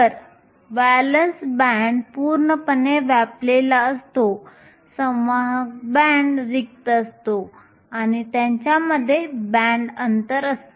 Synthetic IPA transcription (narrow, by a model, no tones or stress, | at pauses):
əɾ | ʋælənsbæɳɖpuːɾɳəpəneʋaplelaəst̪o | səəɦk̚bæɳɖɾik̚t̪əst̪o | añit̪jãɲt͡ɕjaməd̪ʱːjebæ̃ɳɖənt̪əɾəst̪